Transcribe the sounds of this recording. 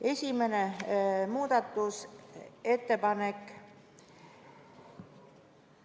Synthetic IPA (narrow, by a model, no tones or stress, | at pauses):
e̞sʲime̞nemuːd̪̥ɑt̪ːˑuse̞t̪ːe̞pɑnek